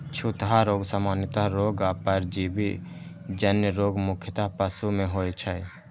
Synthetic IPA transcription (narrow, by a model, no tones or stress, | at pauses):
t͡ʃʰut̪ɦaɾoːɡsamaːnjət̪aɦɾoːɡaːpəɾd͡ʒiːbi | d͡ʒənjəɾoːɡmʊkʰjət̪apəsumẽɦoːjt͡ʃʰəj